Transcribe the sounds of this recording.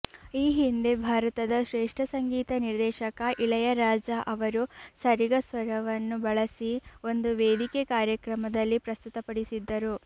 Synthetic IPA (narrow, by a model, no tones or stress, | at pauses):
iːɦind̪e̞bʱaːɾɐt̪ɐd̪ɐʃɾeːʂʈʰɐsɐŋɡiːt̪ɐniɾd̪ɛːʃɐkɐʔilɐjɐɾaːd͡ʒɐʔɐʋɐɾusɐɾiɡɐsʋɐɾɐʋɐnːubɐɭɐsio̞nd̪uʋeːd̪ikekaːɾjɐkɾɐmɐd̪ɐlːipɾɐst̪ut̪ɐpɐɽisid̪ːɐɾu